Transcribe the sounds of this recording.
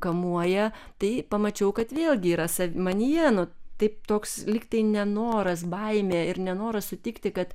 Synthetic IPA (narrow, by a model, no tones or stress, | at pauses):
kɐmuɔjɛ | t̪ɐɪpɐmɐt͡ʃʲɛʊkɐt̪ʋʲeːlʲˠɡʲɪiːɾɐsɐʋʲmɐnʲijɛnʊt̪ɐɪp̚t̪oːkslʲiːkt̪ɐɪnʲɛnoːɾɐs̬bɐɪmʲeːɪɾnʲɛnoːɾɐsʊt̪ʲɪkt̪ʲɪkɐt̪